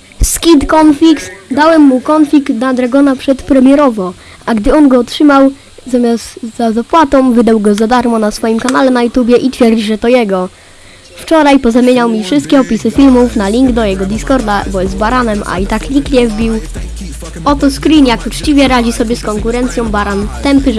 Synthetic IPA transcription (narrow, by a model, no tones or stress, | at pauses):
skʲid̪kɔnfʲiksd̪awɛmːukɔnfʲlʲiknad̪ɾaɡɔnapʂɛt̪pɾɛmʲjɛɾɔvɔ | ʔaɡd̪ɘɔnɡɔɔtʂɘmaw | zamʲjast̪zazapwat̪ɔ̃mvɘd̪awɡɔzad̪aɾmɔnasfɔjimkanalɛnajut̪ubʲjɛʔit̪fʲjɛɾd͡ʑiʐɛt̪ɔjɛɡɔ | ft͡ʂɔɾajpɔzamʲjeɲawmʲifʂɘst̪̚kʲɛɔpʲisɘfʲilmufnalʲiŋɡd̪ɔjɛɡɔd̪iskɔɾd̪abɔjɛzt̪baɾanɛmʔa̰it̪aklʲikɲʲɛvbʲiw | ɔt̪ɔskɾinjakut͡ʂt͡ɕivʲjɛɾad͡ʑisɔbʲjɛskɔŋkuɾɛnt̪sʲjɔ̃w̃baɾant̪ɛmpɘ